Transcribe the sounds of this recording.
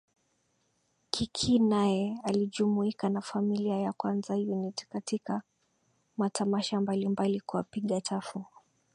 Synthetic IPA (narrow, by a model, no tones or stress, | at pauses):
kʰikʰinajɛaliʄumuikanafamiliajakwanzajunitkatika | matʰamaʃambalimbalikuapiɠatafu